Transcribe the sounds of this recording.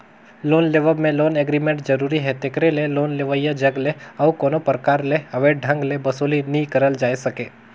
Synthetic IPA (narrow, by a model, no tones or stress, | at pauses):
loːnleːʋəmẽloːneːɡɾiːmẽɳʈd͡ʒɐɾuːɾiɦɛt̪ɪkɾeleloːnleʋəijad͡ʒɐɡleɐʋkoːnopəɾkaːɾleɐʋeːʈ̚ɖʱɐ̃ŋɡlebɐsoːlinəikɐɾəld͡ʒaːesɐkeː